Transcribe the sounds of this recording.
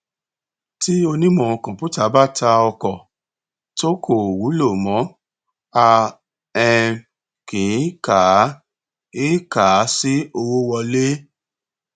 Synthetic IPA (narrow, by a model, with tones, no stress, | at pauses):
ti˦o˧nĩ˦mɔ̃˧˨kɔ̃˨pu˦ta˦˨˦ba˦tʰa˧ɔ˧kɔ˨ | to˦kʰo˨wu˨˦lo˦˨mɔ̃˨˦ | a˧ | ɛ˧ | kĩ˨˦ka˨˦ | e˦ka˨˦si˦o˧wo˦wɔ˧le˦